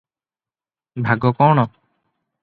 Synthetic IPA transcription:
bʱaɡɔkɔːɽ̃ɔ

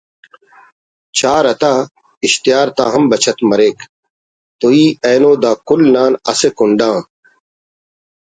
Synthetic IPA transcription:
t͡ɕʰaːɾɐt̪aː | ɪɕt̪ijaːɾt̪aːɦɐmbɐt͡ɕʰɐt̪mɐɾeːk | t̪oiːeːnoːd̪aːkʊlnaːnɐsekʊɳɖãː

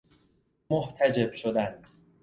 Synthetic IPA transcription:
moht̪ʰæd͡ʒe̞bʃod̪æn

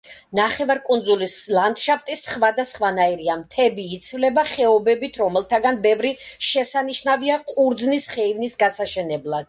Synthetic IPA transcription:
naχɛvaɾkʼund̪zulislˠand̪ʃapʰt̪ʼisχvad̪asχvanaiɾiamt̪ʰɛbiːt̪sʰvlɛbaχɛɔbɛbit̪ʰɾɔmɛlˠt̪ʰaɡanbɛvɾiʃɛsaniʃnaviaqʼuɾd̪znisχɛivnisɡasaʃɛnɛblˠad̪̥

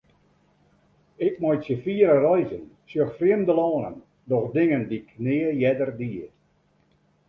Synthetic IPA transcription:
ɪk̚mɔjtsjəfiəɾərɔjzən | sjøxfrɪəmdəlɔːnə̰n | dɔxdɪŋəndikʰnɪːəjɛdərdiə

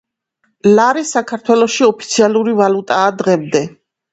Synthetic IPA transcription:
laɾisakʰaɾt̪ʰwɛlˠɔʃiɔpʰi̥t̪sʰialuɾivalut̪ʼaːd̪ʁɛmd̪ɛ

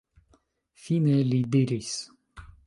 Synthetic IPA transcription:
finelid̪iɾis

